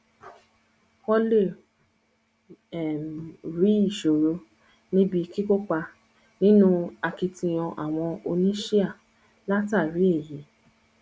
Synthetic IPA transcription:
kɔ˦le˦˨ | ɛ˨m˨ɾi˨˦i˦˨ʃo˨ɾo˧ | nĩ˦bi˧ki˦ko˦k͡pa˧ | nĩ˦nũ˦a˧ki˧tĩ˧j̃ɔ̃˧ʔa̰˨w̃ɔ̃˧o˧nĩ˦ʃi˦a˦˨ | la˦ta˦˨ɾi˨˦e˦˨je˨˦

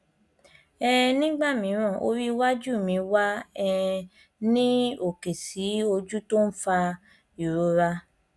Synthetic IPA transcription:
ɛ˦nĩ˦ɡ͡ba˦˨mĩ˨˧˦ɾ̃ɔ̃˦˨ʔo̰˧˦ɾi˦wa˦d͡ʒu˦˨mĩ˧wa˦ɛ˦ | nĩ˦o˦˨ke˨si˨˦o˧d͡ʒu˦to˦n̩˦fa˧ | i˨ɾo˨˧ɾa˧

